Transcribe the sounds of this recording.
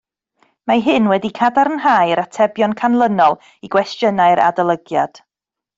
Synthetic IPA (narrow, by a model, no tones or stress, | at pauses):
maɦɨnwɛdikʰadaɾənɦaːjɾatʰɛbjɔnkʰanlˠənɔlˠ | iɡwɛstjənaɨɾʔa̰dalˠəɡja̰d̥